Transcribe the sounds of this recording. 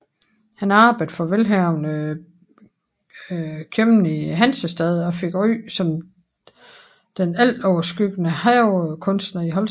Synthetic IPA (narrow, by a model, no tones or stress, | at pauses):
hænɑ̈ːb̥əd̥fɒ̽ʋelɦæʊnə | kʰjømn̩iɦænsəsd̥ɛðˠɒ̽fe̝ɡ̥ʁy̰ːsɒ̽m | d̥enæl̰d̥ɒʊɐsɡ̥yɡ̥ənəhækʰɔ̽nsd̥nɐiɦɒ̽l